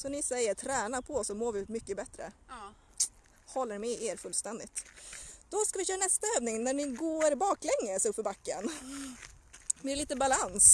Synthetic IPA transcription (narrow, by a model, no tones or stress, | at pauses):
sɔnɪsɛjːəʈʰɾɛːnapʰɔɔsːɔmoːvɪmʏkːəbɛt̪ɾə̰ | hɔlːəɾmɛʔeːɾfɵlːst̪ɛnd̪ɪt̪d̪̥ɔskavɪçøːɾanɛst̪aøːvnɪŋnæɳɪɡoːɾbɑːklɛŋːəsɵpfœɾbakːə̰n | bɪɛɭiːt̪əbalans